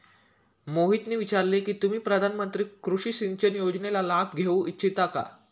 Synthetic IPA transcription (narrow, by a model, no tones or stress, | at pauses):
moɦit̪niːʋit͡ɕaɾlekiːt̪um̤iːpɾəd̪ʱanmənt̪ɾiːkɾuʂiːsint͡ɕənjod͡ʑnelalãk̪ɡʱeũʔitːɕʰit̪aka̰